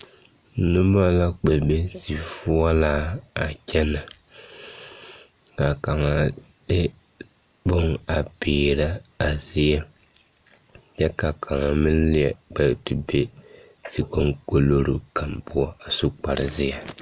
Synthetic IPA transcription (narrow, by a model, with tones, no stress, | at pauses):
nʊ˦ba˦la˦k͡pɛ˨be˦si˨fʊ˦ɔ˦laː˦a˨t͡ʃɛ˦na˨ | ka˨ka˨ŋa˨ | dɪ˦ | bʊ˦ŋa˨piː˨ɾa˦a˨zɪ˦jɛ˦ | t͡ʃɛ˦ka˨kʰa˨ŋa˨mɪ˦n˦lɪ˦ɛ˨k͡pɛ˨tu˨be˦ | si˨ko˦ŋko˦lo˦ɾu˦ka˨mpʊ˦ɔ˦a˨su˦k͡pa˨ɾɪ˨zɪ˦jɛ˨